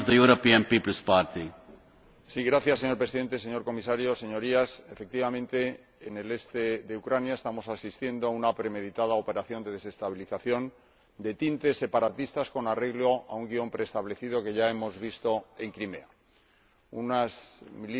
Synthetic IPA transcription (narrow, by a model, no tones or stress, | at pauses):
vðəjuɾopiə̃npipəl̩spaɾt̪i | siɣɾaθjasːe̞ɲo̞ɾpɾesiðe̞nt̪e̞se̞ɲo̞ɾko̞misaɾjo̞se̞ɲo̞ɾiase̞fe̞k̚t̪iβamẽnt̪e̞ː | ne̞le̞st̪e̞ðe̞ukɾanjae̞st̪amo̞sasist̪je̞nd̪oaunapɾe̞me̞ðit̪aðao̞pe̞ɾaθjo̞nd̪e̞ð̞e̞se̞st̪aβiliθaθjo̞n | d̪e̞t̪int̪e̞sːe̞paɾat̪ist̪asko̞nare̞ɣlo̞auŋɡio̞mpɾe̞ːst̪aβle̞θið̞o̞ke̞ʝae̞mo̞zβist̪o̞e̞ŋkɾime̞̰a | unasmili